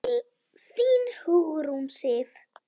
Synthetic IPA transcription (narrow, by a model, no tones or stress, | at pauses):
fiːnhuuɾumsev